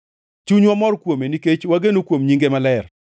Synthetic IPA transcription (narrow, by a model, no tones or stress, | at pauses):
t͡ʃuɲwamɔrkwomeniket͡ʃwaɡenokwomɲiŋɡemalɛr